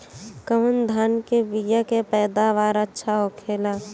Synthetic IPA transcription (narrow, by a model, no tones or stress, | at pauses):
kəmənd̪ʱankebijakepɛːd̪aʋaːɾətːʃʰaɦokʰeːlaː